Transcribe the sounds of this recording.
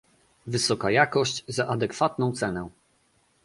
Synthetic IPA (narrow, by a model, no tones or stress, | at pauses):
vɘsɔkajakɔɕt͡ɕzaʔad̪ɛkfat̪̚nɔ̃w̃t̪sɛnɛ